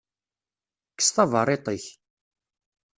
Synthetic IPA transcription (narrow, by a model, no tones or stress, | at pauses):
kːə̥sθɑvəɾˤet̪ˤəç